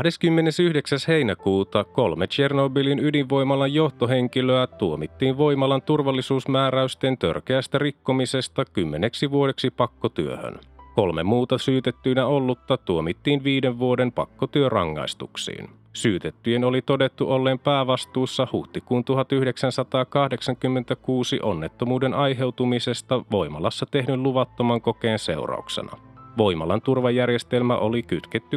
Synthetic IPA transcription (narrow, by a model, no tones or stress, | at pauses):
deskymːe̞ne̞syhde̞ksæshe̞jnækuːt̪ɑko̞lmet͡ʃe̞rnobilinydiʋʋo̞jmɑlːɑjjo̞ht̪o̞ɦe̞ŋk̟iløæt̪uomit̪ːiːnʋo̞jmɑlɑnt̪urʋɑlːisuːsmæːɾæyst̪e̞nt̪ø̰rk̟e̞æst̪ærikːo̞mise̞st̪ɑkymːe̞ne̞ksiʋuo̞de̞ksipɑkːo̞t̪yøhø̰nko̞lme̞̰mːuːt̪ɑsyːt̪et̪ːyjnæo̞lːut̪ːɑt̪uomit̪ːiːnʋiːde̞ʋʋuo̞de̞mpɑ̰kːot̪yørɑ̰ŋːɑ̰ist̪uksḭːn | syːt̪et̪ːyjenolit̪o̞de̞t̪ːuʔo̞lːeːmpæːʋɑst̪uːsːɑhuht̪ikuːnt̪uɦɑt̪yhdeksænsɑt̪ɑːkɑhde̞ksɑŋkymːe̞nt̪ækuːsiʔo̞nːe̞t̪ːo̞muːde̞nʔɑjɦe̞wt̪umise̞st̪ɑʋo̞jmɑlɑsːɑt̪e̞ɦnylluʋɑt̪ːo̞mɑŋko̞k̟e̞ːnse̞̰wrɑ̰uksḛnɑ̰ʋo̞jmɑlɑnt̪urʋɑjːærje̞st̪e̞lmæ̰ʔo̞likyt̪ket̪ːy